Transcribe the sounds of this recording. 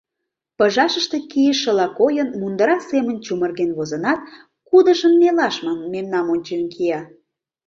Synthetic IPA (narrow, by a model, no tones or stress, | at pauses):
pəʒɑʃəʃt̪ekijəʃːə̆lɑkojənmund̪əɾɑsemə̆nt͡ɕumərɣenβozə̆nɑt̪̚ | kud̪ə̆ʒə̆mːelɑʃmɑnmemnɑmonʲt͡ɕemkʰijɑ